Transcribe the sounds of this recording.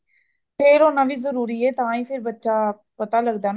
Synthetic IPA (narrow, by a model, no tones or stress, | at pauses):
pʰɪɾoːnaːʋiːzəɾuːɾiːɛːt̪ãːĩːpʰɪɾbətːʃaː | pət̪aːləɡd̪aːn